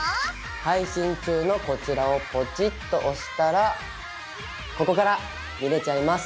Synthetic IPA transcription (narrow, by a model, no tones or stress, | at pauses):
haiɕĩɲ̟t͡ɕɨːno̞ko̞t͡ɕiɾao̞po̞t͡ɕit̪ːo̞ʔoɕi̥t̪aɾa | ko̞ko̞kaɾa | mʲiɾe̞t͡ɕaimasɨ̥